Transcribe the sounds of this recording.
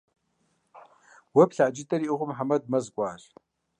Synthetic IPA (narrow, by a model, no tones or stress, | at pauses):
wɐpɬaʔd͡ʒɪtʼɐɾiʔɨʁʷʊmħamɐd̚mɐzɡʷʼɑːɕʼ